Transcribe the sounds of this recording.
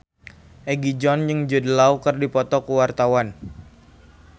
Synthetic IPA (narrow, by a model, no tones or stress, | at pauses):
ʔɛɡid͡ʒɔnjɨŋd͡ʒədəlaukərdipɔt̪ɔkuwart̪awan